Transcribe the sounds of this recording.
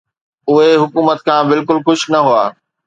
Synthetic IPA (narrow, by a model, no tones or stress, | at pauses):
ʊɦeɦʊkuːmət̪̚kʰãːbɪlkʊlxʊʃnɐɦuaː